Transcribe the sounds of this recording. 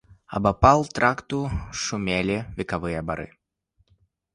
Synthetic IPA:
ɐ̰bapalˠt̪ɾakt̪uʂumʲelʲivʲikavɨjɐbaɾɨ̰

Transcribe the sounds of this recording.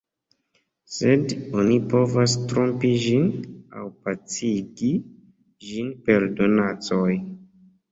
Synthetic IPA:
sedonipo̞vastɾo̞mpiʒina̰wpat͡siɡi | d͡ʒinpe̞ɾdo̞nat͡soj

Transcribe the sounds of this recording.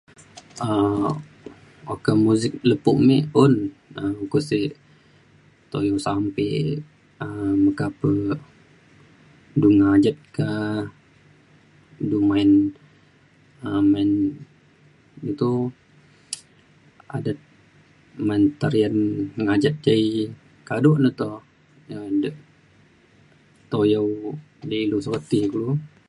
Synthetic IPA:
ə | okamuzɪk̚ləpuʔmeʊnəukusi | t̪ojosampe | əməkapə | duŋad͡ʒat̪̚ka | dumaɪn | əman | it̪u | a̰dat̪̚ | mant̪aɾianŋad͡ʒat̪̚d͡ʒai | kadɔʔnət̪ɔ | ədəʔ | t̪ojəw | dəilusot̪ihkulu

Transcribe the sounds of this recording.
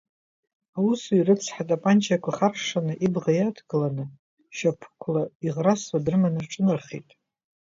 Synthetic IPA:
awusuirɨt͡sʰħatʼapʼant͡ʃʰakʷʰaχarʂanɨʔibʁajatʰɡɨlanɨ | ʃapʰkʷʰlaiʁraswadrɨmanɨrʈ͡ʂʼɨnɨrχḭtʼ

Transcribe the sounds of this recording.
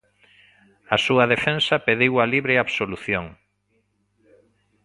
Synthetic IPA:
ɐsuɐðefensapeðewaliβɾeaβsoluθjoŋ

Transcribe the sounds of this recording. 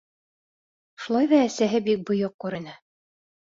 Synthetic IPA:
ʃulˠɑjðɑːsæɦɘbik̚bŏjoq̚kʉɾɘ̆nɘ

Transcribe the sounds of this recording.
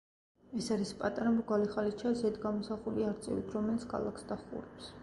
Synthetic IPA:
ɛsaɾispʼat̪ʼaɾamɾɡaliχalit͡ʃʰazɛd̪ɡamɔsaχuliaɾt̪sʼɛ̰vḭt̪ʰɾɔmɛlit̪ʰkʰa̰lˠa̰ksd̪aχʼṵɾɛps

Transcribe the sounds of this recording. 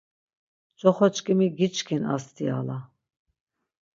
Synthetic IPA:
t͡ʃʼɔχɔt͡ʃkʼimiɡit͡ʃkʰina̰st̪ʰʼia̰la

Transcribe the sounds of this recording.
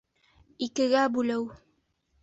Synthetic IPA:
ikɘ̆ɡæbʉlɘw

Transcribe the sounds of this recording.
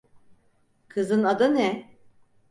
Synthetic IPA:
kʰɯzɯnad̪anɛ

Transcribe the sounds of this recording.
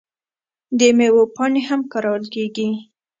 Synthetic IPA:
d̪əmewopɑnehamkaɾɑwlkeɡi

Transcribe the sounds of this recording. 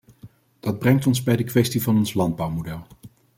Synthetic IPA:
d̥ɑd̚brɛŋtɔnzbɛjdəkʋɛstivɑnɔnslɑnd̚bɑwmodɛlˠ

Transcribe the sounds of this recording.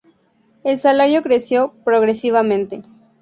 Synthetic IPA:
elsalaɾjo̞kɾe̞sjo̞pɾoɣɾe̞siβamẽnt̪e̞

